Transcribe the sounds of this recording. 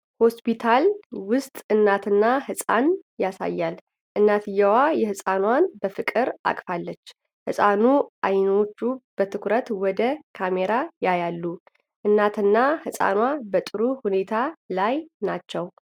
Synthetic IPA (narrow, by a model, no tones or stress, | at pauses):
ho̞spʰit̪ʰalwʊst̪ʼɨnːat̪ʰɨnːahɨsʼa̰njasa̰jːal | ʔɨnːat̪ʰɨjawajɛhɨsʼanwanbəfɨkʼɨɾa̰kʼfalːət͡ʃː | hɨsʼanuʔajno̞t͡ʃːub̥ət̪ʰɨkʷɾət̪wɔd̪əkʰame̞ɾajajalːu | ʔɨnːat̪ʰɨnːahɨsʼa̰nwabət̪ʼɨɾuhune̞t̪ʰalajnat͡ʃːɛw